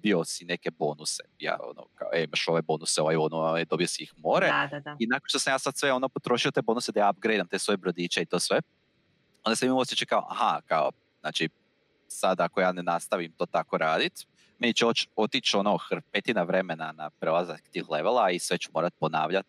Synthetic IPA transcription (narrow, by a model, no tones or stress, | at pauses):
biosine̞ke̞bo̞ːnuse̥̰ja̰ːo̰no̰ka̰oeimaʃo̞ʋebo̞nuseoʋaonoed̪o̞biosiixmo̞ːɾeadaainakonʃt̪o̞samjaːsad̪sʋeo̞nopot̪ɾo̞ʃiot̪eːbo̞nused̪ajab̚ɡɾejd̪amt̪e̞ːsʋo̞jebɾo̞d̪it͡ʃeit̪o̞ːsʋe̞ | ond̪asemiiosjet͡ʃekao̰ʔa̰hakao̰ | znaːt͡ʃi | sad̪akojaːnenast̪aʋimt̪oːt̪ako̞ɾaːd̪it̪ | me̞nit͡ʃeot͡ʃot̪it͡ʃo̞no̞xɾ̩pet̪inaʋɾe̞me̞nanapɾelˠazakt̪iːxle̞ʋelˠaisʋe̞t͡ɕumo̞ːɾat̪̚po̞na̰ːʋʎat̪̚